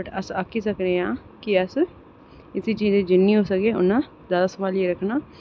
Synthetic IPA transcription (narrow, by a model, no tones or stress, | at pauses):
əʈəsaːkʰisəkɾẽːãː | kiəs | ɪsiːt͡ʃiːzeːd͡ʒɪnːiːɦoːsəkeːʊnãː | zjaːd̪aːsəʋaːleɾəkʰnaː